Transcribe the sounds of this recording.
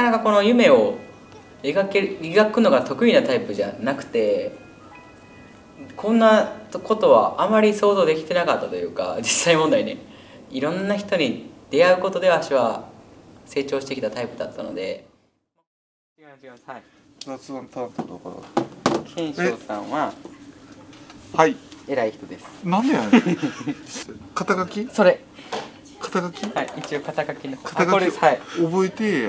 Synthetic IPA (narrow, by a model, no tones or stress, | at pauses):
akanakako̞no̞jɯ̟me̞o̞ | eɡakeeɡakɯ̟no̞ɡat̪o̞kɯ̟inat̪aipɯ̟ʑa̰nakɯ̟̥t̪e̞ | kʰõ̞nːako̞t̪o̞βaʔamaɾʲiso̞ːzo̞ːd̪e̞kʲi̥t̪e̞nakat̪ːat̪o̞jɯ̟ːka̰d͡ʑisːaimond̪aine̞̰ | iɾõ̞nːaçi̥t̪o̞ɲ̟id̪̥e̞aɯ̟ko̞t̪o̞d̪e̞βaaɕiβa | se̞ːt͡ɕoːɕi̥t̪ekʲit̪at̪aipɯ̟d̪a̰t̪ʰːano̞̰d̪e̞̰ | zat͡sɨãnt̪ãnt̪od̪a̰ka̰ɾa̰ | ẽɰ̃ɕeosãβa | haieɾaiçi̥t̪od̪esɨ̥nãnd̪ea | kat̪aɡakʲiso̞ɾe | kʰḁt̪aɡakʲihaiit͡ɕio̞kat̪aɡakʲinokʰat̪aɡaaobo̞et̪e